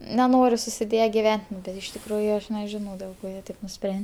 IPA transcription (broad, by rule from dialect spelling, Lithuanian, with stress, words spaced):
nʲɛˈnoːrʲɪ sʊsʲɪˈdʲeːjɛ ɡʲɪˈʋʲɛnʲtʲ nʊ bʲɛt ɪʃ tʲɪkˈruːjʊ ˈɐʃ nʲɛˈʒʲɪnɐʊ dʲeːlˠ ˈkoː ˈjiɛ ˈtɐɪp nʊˈsʲpʲrʲɛnʲ